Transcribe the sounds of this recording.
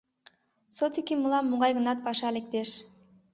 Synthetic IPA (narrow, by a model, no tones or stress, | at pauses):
sot̪ikʲimulˠɑmːuʁɑjʁə̆nɑt̪̚pɑʃɑlek̚t̪eʃ